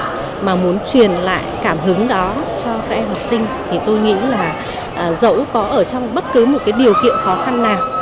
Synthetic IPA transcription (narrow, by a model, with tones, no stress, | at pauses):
maː˨˩mu˨˦ənt͡ɕwi˨˩ənla̰ː˧˨jkaː˧˩mɦɨ˨˦ŋɗɔ˨˦t͡ɕɔ˧kaː˦˥k̚ʔɛ˧mha˨˩p̚sï˧ŋ̟t̪ʰi˨˩t̪o˧jŋḭ˧˥laː˨˩ | ʔːzə̰˧˥wkɔ˨˦ʔəː˧˩t͡ɕɔ˧wŋ͡mɓə˦˥t̚kɨ˨˦mo˨˩t̚kaː˨˦jɗi˨˩əwkḭ˧˨ənxɔ˨˦xa˧nːaː˨˩w